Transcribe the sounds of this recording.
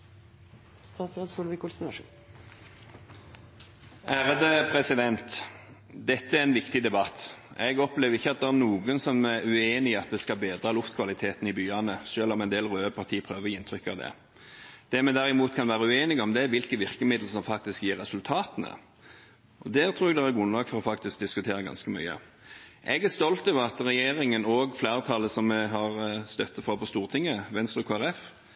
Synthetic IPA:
st̪ɑːt̪sɾɑd̪sʊlʋɪkʊlsn̩ | ʔæːɾəd̪əpʰɾɛsɪd̪ɛnt̪ | d̪ɛt̪ːəæɾɛnʋɪkt̪ɪd̪ɛbɑt̪ːɛɡɔpleːʋɾɪçːəɑt̪̚d̪ɛmnuːɡənsɔmɛʉeːnɪɑt̪ʋɛskɑbeːd̪ʁɑlʊft̪kʰʋɑlɪt̪ʰeːt̪nɪbyːɑnəʃøːlɔmɛnd̪eːlʁøːəpʰɑʁt̪ʰiːpʰʁøːʋəʁjɪnt̪ʰɾʏkːɑ̰ʋd̪ɛ̰ | d̪̥ɛmɛd̪æɾɪmuːt̪kʰɑnʋæːɾəʉeːnɪɡɔmd̪ɛʋɪlkəʋɪʁkəmɪd̪l̩sɔmfɑk̚t̪ɪskjiːɾːɛsʉlt̪ʰɑːt̪ənə̰ | ʔɔd̪ɛt̪ʰɾuːɛɡd̪ɛæɾɡɾʉnlɑːɡfɔɾɔfɑkt̪ɪsk̚d̪ɪskʉt̪ʰeːɾəɡɑ̰nskəmy̰ʏə̰ | ʔɛɡæʂt̪ɔlt̪ɔːʋəɾɑt̪ɾɛjeːɾɪŋənoːɡflæːʁət̪ʰɑlːəsɔmːɛɦɑʁst̪œt̪ːəfɾɑpʰɔst̪uːʁt̪ʰɪŋːəʋɛnst̪ɾəkʰoæɾɛf

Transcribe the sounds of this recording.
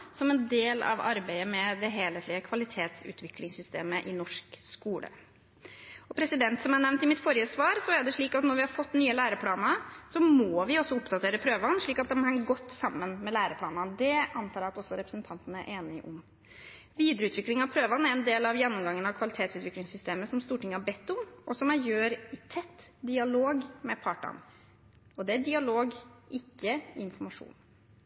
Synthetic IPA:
sɔmɛnd̪eːlɑ̰ʋɑ̰ɾbæɪəmɛd̪ɛɦeːlheːt̪lɪəkʰʋɑlɪt̪ʰeːt̪sʉ̰ːt̪ʰʋɪklɪŋsʏst̪ḛːməʔɪnɔʂkskuːlə̰ | ɔpʰɾɛsɪd̪ɛnt̪sɔmɑnɛʋnt̪ɪmɪt̪fɔɾjəsʋɑːɾsɔæɖɛʂɭiːkɑt̪nɔɾʋɪhɑɾfɔt̪ːnyːəlæːɾəpʰlɑːnəsɔmɔːʋɪɔsːɔʊpd̪ɑt̪ʰeːɾəpʰɾøːʋɑnʂɭiːkɑt̪̚d̪ɛmhɛŋɡɔt̪ːsɑmːənmɛlæːɾəpʰlɑːnəd̪ɛʔɑnt̪ʰɑːɾɑt̪ɔsːɔɾɛpɾəsnt̪ʰɑnt̪ənəæ̰ɾʔeːnɪʔʊm | ʋiːd̪ɾəʉːt̪ʰʋɪklɪŋɑʋpʰɾøːʋɑnæɾɛnd̪eːlɑʋjɛnːʊmɡɑŋːənɑʋkʰʋɑlɪt̪ʰeːt̪sʉːt̪ʋɪklɪŋsʏst̪eːməsɔmst̪uːʈʰɪŋːəɑbɛt̪ːʊmʔɔsɔmæɾjøːɾɪt̪ʰɛt̪ːd̪ɪɑloːɡmɛpʰɑːʈɑ̰n | ɔd̪ɛæd̪ɪɑloːɡʔɪkːəɪnfɔɾmɑʂṵːn

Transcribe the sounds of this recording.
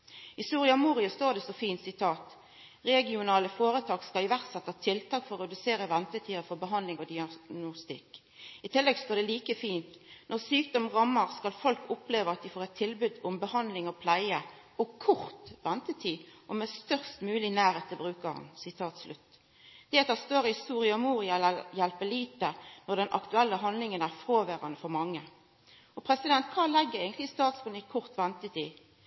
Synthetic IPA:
ɪst̪uːʁɪɑmuːʁɪɑst̪oːd̪ɛsɔfiːnt̪sɪt̪ʰɑːt̪ | ʁɛɡɪʊnɑːləfoːɾət̪ʰɑːkskɑlɪʋæʁt̪sɛt̪ːɑt̪ʰɪlt̪ʰɑːkfɔʁʁɛd̪ʉseːɾəʋɛnt̪ət̪ʰiːəfɔʁbəɦɑnd̪lɪŋɔd̪ɪɑnʊst̪ɪk | ɪt̪ʰɪlːɛɡst̪oːʁd̪ɛliːkəfiːnt̪nʔɔʁsyːk̚d̪ɔmʁɑmːəʁskɑlfɔlkʊpleːʋəʁɑt̪̚d̪ɪfoːʁɛt̪ʰːɪlbʉd̪ʊmbəhɑnd̪lɪŋɔpʰlæɪə | ɔkʰʊʁt̪ʋɛnt̪ət̪ʰiːʔɔmɛst̪œʁst̪mʉːlɪnæːʁeːt̪əbʁʉːkəʁɑ̰nsɪt̪ʰɑːt̪slʔʉt̪ː | d̪̥ɛɛt̪ɑst̪oːʁhɪst̪uːʁɪɑɔmuːʁɪɑjɛlpəliːt̪ənɔʁd̪ɛnʔɑ̰kt̪ʉɛlːəɦɑnlɪŋənæʁfʁoːʋæːʁɑnəfɔʁmɑŋːə | ɔpʰʁɛsɪd̪ɛnt̪̚kʰɑːlɛɡːəæɡənt̪lɪst̪ɑːt̪sbʊnɪkʰʊʁt̪ʋɛnt̪ət̪ʰiː

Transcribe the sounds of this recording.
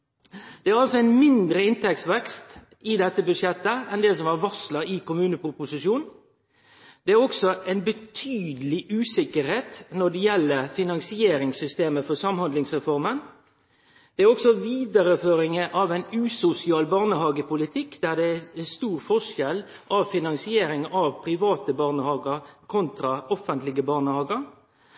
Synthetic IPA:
d̪̥ɛæɾɑlsɔɛɪnmɪnd̪ɾəɪnt̪ʰɛksʋɛkst̪ | ɪd̪ɛt̪ːəbʉd̪ʂjɛt̪ːəɛnd̪ɛsɔmɑʋɑslɑɪkʊmʉːnəpɾʊpʊsɪʂuːn | d̪̥ɛæɾɔksɔʔɛɪnbət̪ʰyːd̪əlɪʔʉːsɪkəɾheːt̪nɔɖ̪ɛjɛlːəfɪnɑŋsɪeːɾɪŋsʏst̪eːməfɔsɑmhɑnd̪lɪŋsʁɛfɔɾmən | d̪̥ɛæɾɔksɔʋiːd̪əɾəføːɾɪŋəʔɑʋɛɪnʉːsʊsɪɑːlbɑʁnəhɑːɡəpʰʊlɪt̪ʰɪkːd̪̥æːʁd̪ɛæɛst̪uːɾfɔʂɛlʔɑʋfɪnɑŋsɪeːɾɪŋɑʋpʰɾɪʋɑːt̪əbɑːʁnəhɑːɡəɾkʰɔnt̪ɾɑɔfənt̪lɪɡəbɑːʁnəhɑːɡəɾ

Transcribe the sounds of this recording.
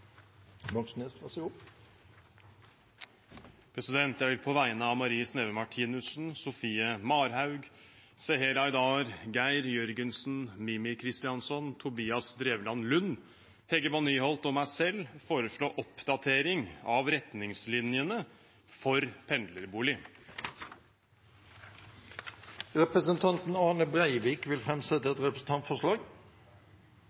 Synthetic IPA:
bɑksnesʋɑs | pʰɾɛsɪd̪ɛnt̪æɪɾpʰɔʋæɪnəɑmɑɾiːəsneːʋəmɑʈʰiːnʉsn̩sʊfiːəmɑːɾɦɑʉɡseːɦeɾɑɪd̪ɑːɾɡæɪɾjœɾɡənsn̩mɪmɪkʰɾɪst̪ɪɑnsɔnt̪ʰʊbiːɑsd̪ɾeːʋlɑnlʉnː | hɛɡəbɔniːhɔlt̪ɔmæɪsɛlːfoːɾəʂɭoːʔɔpd̪̥ɑt̪ʰeːɾɪŋɑʋɾɛt̪nɪŋslɪnjənə | fɔɾpʰɛnd̪ləɾbuːlɪ | ʁɛpɾəsənt̪ʰɑnt̪n̩ɑːnəbɾæɪʋiːkʋɪlfɾɛmsɛt̪əɛt̪ɾɛpɾəsn̩t̪ʰɑnt̪fɔʂlɑːɡ

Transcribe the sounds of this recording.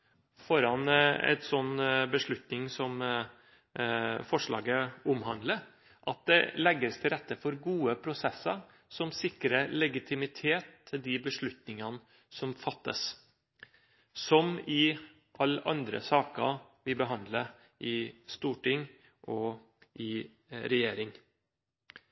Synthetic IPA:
fɔɾɑnɛ̰t̪sɔnːbəʂɭʉt̪nɪŋsɔm | fɔʂɭɑ̰ːɡəʊmɦɑnd̪lə | ʔɑt̪̚d̪ɛ̰lɛɡːəst̪ʰɪlɾɛt̪ːəfɔɾɡuːəpʰɾʊsɛsːə | sɔmsɪkɾəlɛɡɪt̪ʰɪmɪt̪ʰeːt̪ʰːɪld̪ɪbəʂɭʉt̪nɪŋən | sɔmfɑt̪ːə̰s | sɔmɪ | ʔɑlːʔɑnd̪ɾə̰sɑːkəʋɪbəɦɑnd̪lə | ʔɪst̪uːʈɪŋ | ʔɔ | ʔɪ | ɾɛjeːɾɪŋ

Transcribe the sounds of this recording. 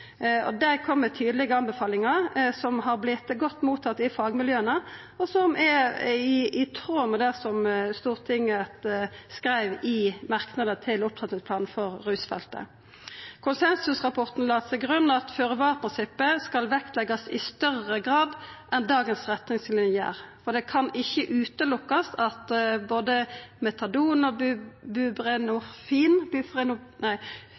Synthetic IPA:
ɔ̰d̪ækʰɔmːət̪ʰyːd̪lɪɡəɑnbəfɑːlɪŋɑʁsɔmɦɑʁblɪt̪ɡɔt̪ːmuːt̪ʰɑt̪ːɪfɑːɡmɪljøːənə | ɔsɔmʔɛɪɪt̪ʰʁoːməd̪æsɔmst̪uːʁt̪ʰɪŋət̪skɾæɪʋɪmɑʁknɑd̪ət̪ʰɪlʊp̚t̪ʁɛt̪nɪŋspʰlɑːnn̩fɔʁːʉːsfɛ̰lt̪ə̰ | kʰʊnsɛnsʉsʁɑpʰɔʁt̪n̩lɑːt̪sɛɪɡʁʉnːɑt̪føːʁəʋɑːʁpʰɾɪnsɪpːəskɑlʋɛkt̪lɛɡɑsɪst̪œʁəɡʁɑːd̪ʔɛnd̪ɑːɡənsʁɛt̪nɪŋslɪnɪæ̰ːʁfɔʁd̪ɛːkʰɑnɪçːəʔʉːt̪əlʊkːɑsɑt̪boːd̪əmɛt̪ʰɑd̪uːnɔbʉbʁɛnʊfiːnbfʁɛnʊnæɪ

